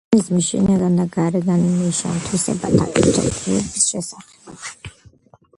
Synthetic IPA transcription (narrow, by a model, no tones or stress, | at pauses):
izmiʃḭnaɡand̪aɡaɾɛɡanmiʃa̰nt̪ʰwisɛ̰bat̪ʰa̰kʼiɾt̪ʰɔ̰kʼiɛbisʃɛsaχɛ̥b